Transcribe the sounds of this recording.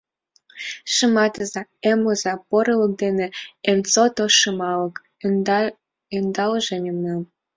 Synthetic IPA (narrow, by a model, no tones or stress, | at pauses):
ʃəmɑt̪əzɑemozɑpoɾɤlɤ̆k̚d̪enĕemt͡sot̪oʃɤmɑlɤ̆k | end̪ɑlʒenʲemnɑm